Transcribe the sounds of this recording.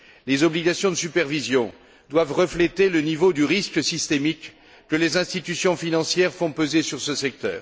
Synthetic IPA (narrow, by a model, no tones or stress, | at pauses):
lezɔbliɡasjɔ̃d̪əsypɛʁvizjɔ̃ | d̪wavʁəflet̪elənivod̪yʁisksist̪emikː | əlezɛ̃st̪it̪ysjɔ̃finɑ̃sjɛʁfɔ̃pəzesyʁsəsɛk̚t̪œ̰ːʁ